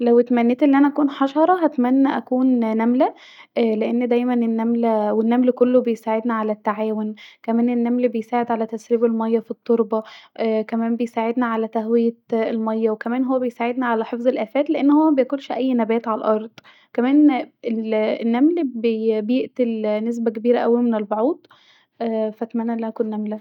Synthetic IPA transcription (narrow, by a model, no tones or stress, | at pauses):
læwet̪mænːeːt̪ʔenːiʔænæʔækuːnħɑʃɑɾˤɑɦæt̪mænːæʔækuːnnæmlæ | ʔleʔenːd̪æjmænenːæmlæwenːæmlkolːobejsaːʕed̪næʕalæt̪ːaʕaːwonkæmæːnenːæmlbejsaːʕed̪ʕalæt̪æsɾiːbelmɑjːɑfit̪ˤːoɾbɑkæmæːmbejsaːʕed̪næʕalæt̪æhwejæelmɑjːæwekæmæːnɦowːæbejsaːʕed̪næʕalæħefzˤelʔæːfæːt̪leʔenːhowːæmæbejækolʃʔæjːnæbæːt̪ʕalʔɑɾˤd̪̥ˤ | kæmæːneenːæmlbebejeʔt̪elnes̬bæk̬ebiːɾæʔæwːælmenelboʕuːd̪ˤ | ʔæːfæt̪mænːæʔlːæʔækunːæmlæ